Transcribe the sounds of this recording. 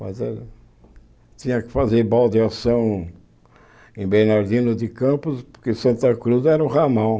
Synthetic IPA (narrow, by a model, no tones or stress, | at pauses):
mɐ̰zɛɾ | t̪ĩɲɐkɪ̥fazeɾbɔld̪ɪasɐ̃w̃ | ẽbeɾnaɾd̪inʊd̪ɪkɐ̃mpʊspʊɾkɪsɐ̃nt̪ɐkɾuzɛɾũʁamɐ̃w̃